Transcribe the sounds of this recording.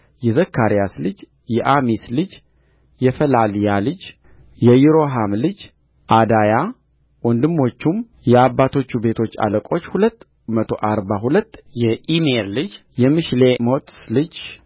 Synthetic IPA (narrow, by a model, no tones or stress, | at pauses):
jɛzəkʰːaɾijaslɨd͡ʒ | jɛʔamislɨd͡ʒ | jɛfəlaljalɨd͡ʒ | jɛjiɾo̞ɦamlɨd͡ʒ | ʔad̪aja | wɔnd̪ɨmːo̞t͡ʃːum | jɛabːat̪ʰo̞t͡ʃːube̞t̪ʰo̞t͡ʃːa̰ləkʼo̞t͡ʃːhulət̪ː | mət̪ʰo̞ʔaɾbaɦulət̪ːjɛimeɾlɨd͡ʒ | jɛmɨʃlemot̪slɨd͡ʒ